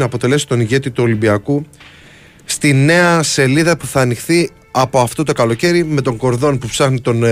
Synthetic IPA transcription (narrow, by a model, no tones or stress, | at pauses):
nɐːpo̞t̪e̞le̞si̥t̪o̞niʝe̞t̪it̪uo̞libiɐku | st̪ine̞ɐse̞liðɐpuθɐːnixθi | ɐpo̞ɐft̪o̞t̪o̞kɐlo̞ce̞ɾime̞t̪o̞ŋɡo̞ɾðo̞npupsɐxnit̪o̞n